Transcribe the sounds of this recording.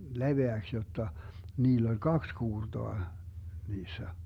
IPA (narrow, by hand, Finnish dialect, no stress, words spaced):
leʋeæks jotːɑ niːlː olʲ kɑks kuːrtoɑ niːsːæ